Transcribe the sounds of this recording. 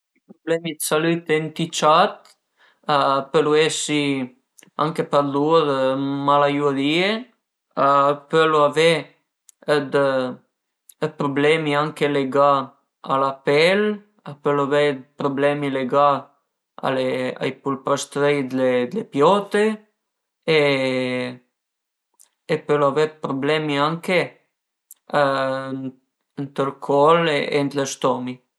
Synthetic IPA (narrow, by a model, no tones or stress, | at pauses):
ipɾoblɛmid̪salyt̪ent̪it͡ʃat̪ | apəluɛsi | a̰ŋkepaɾluɾmalajud̪ie | apəloavɛ | əd̪ | əpɾoblɛmiaŋkeleɡa | alapɛl | apølavɛd̪pɾoblɛmileɡa | a̰lea̰jpulpɾɔst̪ɾejd̪led̪lepjɔt̪e | e | pølavɛpɾoblɛmiaŋke | ənt̪ɾəlkʰɔlent̪ləʃt̪ɔmi